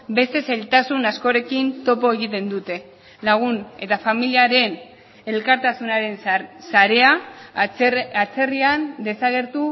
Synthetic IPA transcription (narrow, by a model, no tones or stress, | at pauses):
be̞st̪e̞sajlt̪asunasko̞ɾe̞kint̪o̞po̞e̞ɣit̪e̞nd̪ut̪e̞ | laɣ̞une̞t̪afamiliaɾe̞n | e̞lkaɾt̪asunaɾe̞nsaɾe̞a | at͡se̞riand̪e̞saɣ̞e̞ɾt̪u